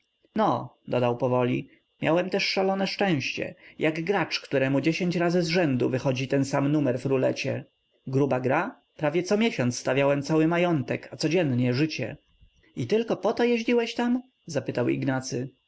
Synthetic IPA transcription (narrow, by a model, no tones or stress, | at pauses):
nɔd̪ɔd̪awpɔvɔlʲḭ | mʲja̰wɛmt̪ɛʂːalɔnɛʂt͡ʂɛ̃w̃ɕt͡ɕɛ̰jʔaɡɡɾat͡ʂkt̪uɾɛmud͡ʑeɕeɲt͡ɕɾazɘzʐɛnd̪ṵvɘxɔd͡ʑit̪ɛnsamnumɛɾvɾulɛt͡ɕɛ̰ | ɡɾubaɡɾa | pɾavʲjɛt̪sɔmʲjeɕɔnt̪sst̪avʲjawɛmt̪sawɘmajɔnt̪ɛkat̪sɔd͡ʑɛnɲɛʐɘt͡ɕɛ̰ | it̪ɘlkɔpɔt̪ɔjeʑlʲiwɛɕt̪am | zapɘt̪awḭɡnat̪sɘ